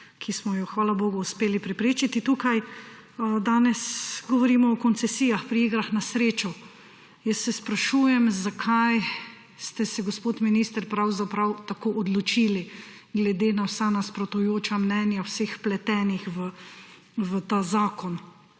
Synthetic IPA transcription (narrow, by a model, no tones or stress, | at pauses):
kʰismɔjɔxʋaːlaboːɡɔuspeːlipɾɛpɾeːt͡ʃit̪it̪ukaj | d̪aːnɛsɡɔʋɔɾiːmɔɔkɔnt̪sɛsiːjaxpɾiiːɡɾaxnasɾeːt͡ʃɔ | jəsːɛspɾaʃuːjɛmzakʰaj | st̪ɛsɛɡospoːt̪miniːst̪əɾpɾawzapɾawt̪akoːʔɔd̪lɔt͡ʃiːli | ɡlɛd̪eːnawsanaspɾɔt̪ujoːt͡ʃamnɛːnjawsexplɛt̪ɛːnixʋə | ʋət̪aːzaːkɔn